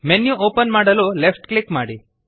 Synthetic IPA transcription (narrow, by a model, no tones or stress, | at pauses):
menjuʔoːpɐnmaːɽɐluːlepʰʈklikma̰ːɽi